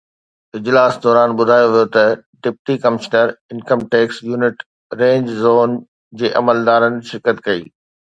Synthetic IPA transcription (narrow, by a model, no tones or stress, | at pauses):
ɪd͡ʑlaːsd̪ɔːɾaːnɓʊd̪ʱaːjoʋijot̪ɐɖɪp̚ʈikɐmɪʃnəɾɪnkəmʈeːksjuːnɪʈ | ɾẽːɲd͡ʑzoːn | d͡ʑeːʔɐ̰məld̪aːɾənɪ̆ʃɪɾkət̪kɐḭː